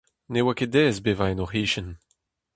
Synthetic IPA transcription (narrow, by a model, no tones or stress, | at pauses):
newaked̪ɛːzbeːvaenɔʁiːʃən